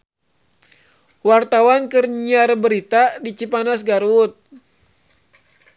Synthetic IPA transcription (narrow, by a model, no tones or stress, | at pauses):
wart̪awankɨrɲiarbəɾit̪adit͡ʃipanasɡaɾut̪̚